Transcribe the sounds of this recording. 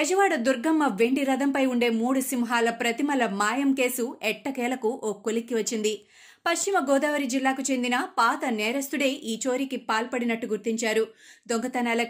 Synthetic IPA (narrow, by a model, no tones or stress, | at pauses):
ɛd͡ʒɐʋaːɽɐd̪uɾɡɐmːɐʋe̞ɳɖiɾɐd̪ɐmpɐjuɳɖe̞ːmuːɽusimɦaːlɐpɾɐt̪imɐlɐmaːjɐmke̞ːsuɛʈːɐkɛːlɐkuʔoːkːolikːiʋɐt͡ʃːind̪i | pɐʂt͡ʃimɐɡɔːd̪aːʋɐɾid͡ʒilːaːkut͡ʃe̞nd̪inɐpaːt̪ɐnɛːɾɐst̪uɽe̞ːʔiːt͡ʃo̞ːɾikipaːlpɐɽinɐʈːuɡuɾt̪iɲt͡ʃaːɾud̪oŋɡɐt̪ɐnaːlɐ